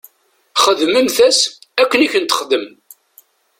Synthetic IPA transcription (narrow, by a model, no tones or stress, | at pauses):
χəðməmθæsækːəniçənt̪ə̥χd̪əm